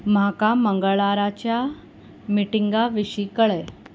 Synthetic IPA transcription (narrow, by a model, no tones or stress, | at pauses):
m̤akaməŋɡəɭaɾat͡ɕja | miʈiŋɡaʋiɕikəɭɛ